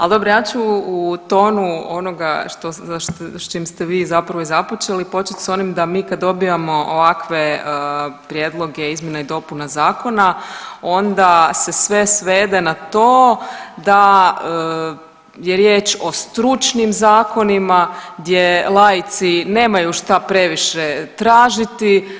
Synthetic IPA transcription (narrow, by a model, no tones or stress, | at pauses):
ald̪o̞bɾojaːt͡ʃuut̪o̞ːnuono̞ɡaʃt̪oʃt͡ʃimst̪eʋiːzapɾaʋoizapot͡ʃelipo̞t͡ʃet̪ʲso̞nimd̪amiːkad̪o̞biamo̞ʔoʋakʋe̞ | pɾjed̪lˠo̞ɡeizmje̞naid̪o̞punazaːko̞nao̞nd̪ase̞sʋe̞sʋe̞ːd̪e̞nat̪oːd̪aə | jeɾjeːt͡ʃo̞st̪ɾut͡ʃnimzaːko̞nimaɡd̪je̞lˠaːjit̪sine̞ːmajuʃt̪apɾe̞ʋiʃet̪ɾaːʒit̪i